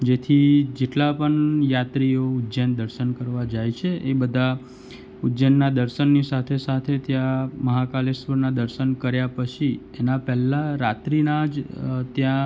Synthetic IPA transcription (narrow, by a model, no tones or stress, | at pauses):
d͡ʒet̪ʰid͡ʒeʈlapəɳjat̪ɾioudd͡ʒənd̪əɾʃənkəɾʋad͡ʒajt͡ʃʰeʔebəd̪ʱa | udd͡ʒənːad̪əɾʃənːisat̪ʰesat̪ʰet̪jãməɦakalesʋəɾnad̪əɾʃənkəɾjapət͡ʃʰi | enapɛɦlãɾat̪ɾinad͡ʒt̪jã